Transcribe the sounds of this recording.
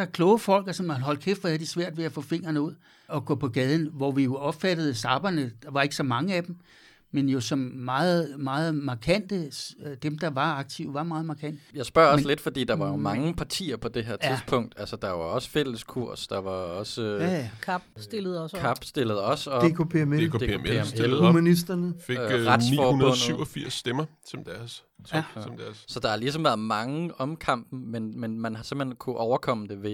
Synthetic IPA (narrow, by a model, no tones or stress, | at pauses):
ɑkʰlɔʊəfɒ̽l̰ɡ̥ɐsɒ̽mɦɒld̥̚kʰefɒæɐd̥isʋæɐ̰d̥ʋe̝æfɔ̰ːfe̝ŋ̰ɐnəuð̞̰ˠ | ɒ̽ɡ̥ɔ̰ːpʰɒ̽ɡ̥ɛːð̞ˠn̩ʋɒʋijo̝ɒ̽b̥fæd̥əð̩ˠsɑ̈b̥ɐnəd̥ɑ̈ʋɑ̈e̝ɡ̥əsɒ̽mɑ̈ŋəæd̥em | menjo̝sɒ̽mmɑ̈ːð̩ˠmɑ̈ːð̩ˠmɑ̈kʰæn̰d̥əd̥emd̥ɑ̈ʋɑ̈ɑ̈ɡ̥̚t͡sʰiʊ̰ʋɑ̈mɑ̈ːð̞̩ˠmɑ̈kʰæn̰d̥jɑ̈ɪsb̥ɶɐ̰ɒsle̝d̥fɒd̥ḭːd̥ɑ̈ʋɑ̈mɑ̈ŋəpʰɑ̈t͡sʰḭːɐpʰɒ̽d̥e̝ɦeɐ̰t͡sʰiðˠpʰɔ̽ŋ̰d̥ælsəd̥ɑ̈ʋɑ̈ɒ̽sə̥fel̰əskʰuɐ̰sd̥ɑ̈ʋɑ̈ɒ̽skʰɑb̥sd̥e̝ləð̩ˠɒskʰɑ̈b̥sd̥e̝ləð̞̩ˠɒ̽sɒ̥̽ekʰopʰemeke̝emeemelhmænisd̥ɐnəfe̝ɡ̥ʁad̥sifɒːunɐɔ̽n̰ðsyʊɒfiɐ̰sːd̥emɐsʰɒ̽md̥æɐs | ɒmd̥æɐssɒ̽d̥ɑ̈ælis̬ɒ̽mʋæːɐðˠmɑ̈ŋəɒ̽mkʰɑ̈m̰b̥n̩menmenmænɦɑ̈se̝m̰̥henkʰuʔɒʊɐkʰɒ̽m̰əd̥e̝ʋe̝